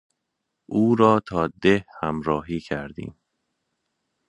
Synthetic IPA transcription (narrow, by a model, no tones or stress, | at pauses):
ʔuːɾɒːt̪ʰɒːd̪ehhæmɾɒːɦiːcʰæɾd̪ḭːm